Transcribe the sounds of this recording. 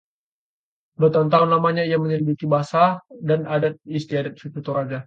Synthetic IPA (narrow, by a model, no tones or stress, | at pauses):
dot̪aunt̪aʊnːamaɲaijaməɲəlibit̪ibasadanadat̪̚ist̪iadat̪̚fit̪ut̪ɔɾad͡ʒa